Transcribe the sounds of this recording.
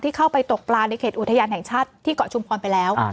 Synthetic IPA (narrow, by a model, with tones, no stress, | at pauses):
t̪ʰiː˥˩kʰa˥˩wpa˧jt̪o˨˩k̚plaː˧na˧jkʰeː˨˩t̪ʔu˨˩t̪ʰa˧jaː˧nɦɛ˨˩ŋt͡ɕʰaː˥˩t̪ʰːiː˥˩kɔ˨˩t͡ɕʰu˧mpʰɔː˧npa˧jlɛː˦˥w